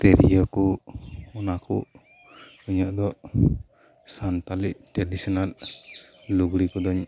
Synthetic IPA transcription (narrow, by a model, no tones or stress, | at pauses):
t̪ɛɾijɔkɔɔnakṵ | uɲɔʔd̪ɔʔ | sant̪aliʔʈɾadisɔnalː | uɡɽikɔd̪ɔɲ